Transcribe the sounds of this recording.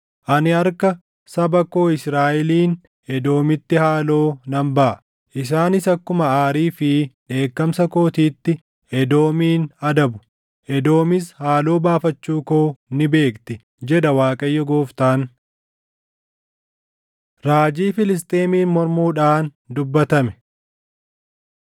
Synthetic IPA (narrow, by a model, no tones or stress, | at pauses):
ʔɐnɪɐɾkɐ | sɐbɐko̞ːɪsɾaːʔɛliːn | ɛd̪o̞ːmɪt̪ːɪhaːlo̞ːnɐmbɐʔɐ | ʔɪs̬aːnɪsɐkːʊmɐaːɾiːfɪᶑe̞ːkːɐmsɐko̞ːt̪iːt̪ːɪ | ɛd̪o̞ːmiːnɐd̪ɐbʊ̥ | ʔɛd̪o̞ːmɪshaːlo̞ːbaːfɐt͡ʃːuːkoːnɪbe̞ːkt̪ɪ | d͡ʒɛᶑɐwaːkʼɐjːɔɡo̞ːft̪aːn | ɾaːd͡ʒiːfɪlɪs̬t̪ʼe̞ːmiːnmɔɾmuːᶑaːn | d̪ʊbːɐt̪ɐmɛ̥